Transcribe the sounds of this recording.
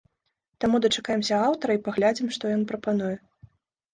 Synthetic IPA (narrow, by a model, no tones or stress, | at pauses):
t̪amud̪ɐt͡ʂakajɛmsʲɐawt̪ɐɾɐipaɣlʲad͡zʲimʂt̪ɔjɔnpɾɐpanujɛ